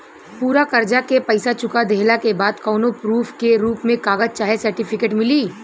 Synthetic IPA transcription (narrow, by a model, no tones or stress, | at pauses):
puːɾakɐɾd͡ʒakepɐɪsat͡ʃʊkad̪eɦlakebaːd̪kɔːnopɾuːfʰkeɾuːpmẽkaːɡəd͡ʒ̚t͡ʃaːɦesɐɾʈɪpʰɪkeːʈmɪliː